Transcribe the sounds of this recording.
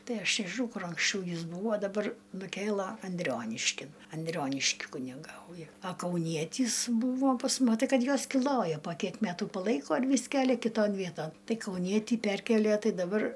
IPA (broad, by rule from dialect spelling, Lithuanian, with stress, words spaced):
ˈtɐɪ ˈɐʃ nʲɛʒʲɪˈnɐʊ ˈkʊr ɐŋksʲˈt͡ʃʲɛʊ ˈjɪs ˈbuːʋoː dɐˈbɐr nʊˈkʲeːlˠɐ ɐnʲˈdʲrʲoːnʲɪʃʲkʲɪn ɐnʲˈdʲrʲoːnʲɪʃʲkʲɪ kʊnʲɪˈɡɐʊjɛ ɐ kɐʊˈnʲiɛtʲiːs ˈbuːʋoː pɐs mʊ mɐˈtɐɪ ˈkɐt ˈjuɔs kʲɪˈlˠoːjɛ poː ˈkʲiɛk ˈmʲæːtuː pɐˈlˠɐɪkoː ɪr ˈʋʲiːs ˈkʲæːlʲɛ kʲɪˈtoːn ˈʋʲiɛtoːn ˈtɐɪ kɐʊˈnʲiɛtʲiː ˈpʲɛrʲkʲiɛlʲiɛ ˈtɐɪ dɐˈbɐr